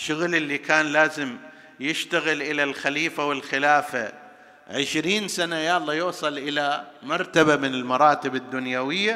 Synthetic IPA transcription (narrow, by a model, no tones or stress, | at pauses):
ʃːʊɣlɪlːikaːnlaːzɪm | jɪʃt̪aɣɪlʔɪlalxaliːfawɪlxɪlaːfa | ʕɪʃɾiːnsanajaʔɑlˤːɑːjuːsˤɑlʔɪlamɑɾˤt̪abamɪnɪlmɑɾˤɑːt̪ɪbad̪ːʊnjawɪjːa